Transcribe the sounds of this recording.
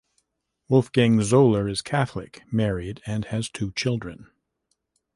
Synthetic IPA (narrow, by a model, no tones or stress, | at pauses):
wʊlˠfɡ̥ɪ̃ŋzoʊlˠə˞ɨz̥kʰæθlɪ̰kmɛɹiɾɨ̃nɨz̥tʰʉt͡ʃʰɪlˠdɹɨ̃n